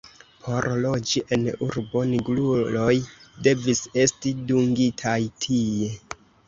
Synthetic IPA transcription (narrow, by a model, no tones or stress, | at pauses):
pʰo̞ɾlo̞d͡ʒiʔe̞nuɾbo̞niɡlulo̞jde̞vise̞stiduŋɡitʰajtʰie̞